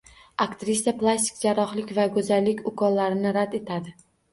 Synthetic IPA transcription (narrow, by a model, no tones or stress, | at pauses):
akt̪ɾisaplˠasʲt̪ʲɪ̥kʲd͡ʒaɾɒχlɪkʲvaɡɵzalːɪkʲʊkʰɒlːaɾɪnɪɾad̪e̞t̪ʰad̪ɪ